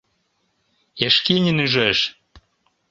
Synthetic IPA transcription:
eʃkinʲinyʒeʃ

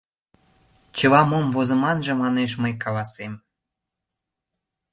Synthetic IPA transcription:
t͡ɕə̆βɑmomvozə̆mɑnʒə̆mɑneʃməjkɑlɑsem

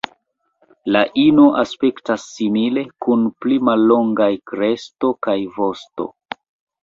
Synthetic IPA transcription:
laʔino̞ʔaspe̞ktasːimile̞kunplimalːo̞ŋɡajkɾe̞sto̞kajvo̞sto̞̰

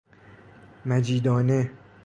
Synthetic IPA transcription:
mæd͡ʒiːd̪ɒːne

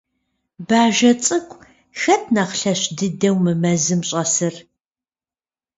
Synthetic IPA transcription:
baːʒɐt͡sʼɨkʷʼ | xɐtʰnɐχɬɐɕdɨdɐwmɨmɐzɨmɕʼɐsɨr

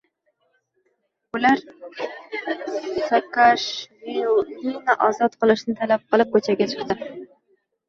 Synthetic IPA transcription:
ulaɾ | sakaʃvininaʔɒzɒt̪qɨlˠɪʃnɪt̪ʰalap̚qʰɨlˠɪp̚kʰɵt͡ʃʰaɡʲat͡ʃʰɨ̥χt̪ɨ

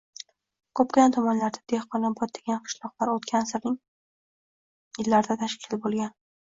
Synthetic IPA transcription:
kʰɵpkʲant̪ʰɒmɒnlaɾd̪ad̪̥ehqɒnabɒt̪̚d̪eɡʲanqʰɨ̥ʃlˠɒqlaɾot̪kʲʰansɪɾnɪŋ | jɪlːaɾd̪at̪ʰaʃkʲʰɪlbolˠɡʲan

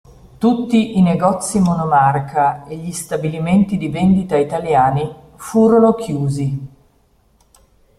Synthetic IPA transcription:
t̪ut̪ːiʔːneɡɔt̪sːimonomarkʰaeʎːist̪abiliment̪id̪ivend̪it̪ait̪aljaːni | fuːɾonok̟juːzi

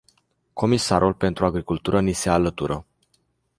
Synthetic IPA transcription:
kʰo̞misaɾʔulpe̞nt̪ɾuaɡɾikult̪uɾʔənisealət̪uɾʔə

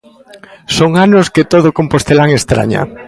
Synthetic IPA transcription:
soŋanosket̪oð̞okompost̪elaŋest̪ɾa̰ɲa̰

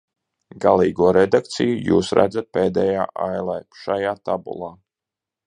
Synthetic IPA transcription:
ɡalˠiːɡuɔɾed̪ak̚t̪sijujṵːsɾæ̰d̪zat̪̚peːd̪ɛjaːʔajlˠɛjʃajaːt̪abṵlˠɑː

